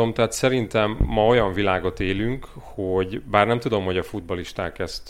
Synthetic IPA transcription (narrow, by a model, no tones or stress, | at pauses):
omt̪ɛɦaːt̪sɛɾint̪ɛmːɒo̞jɒɱvilaːɡo̞t̪eːlyŋkhoɟbaːrnɛmt̪ud̪o̞mho̞ɟɒfud̪̚bɒliʃt̪aːkɛst̪